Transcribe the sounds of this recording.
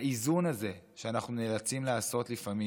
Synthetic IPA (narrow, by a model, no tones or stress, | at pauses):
izunaze̞ʃeanaχnunelat͡simlaːso̞tlifami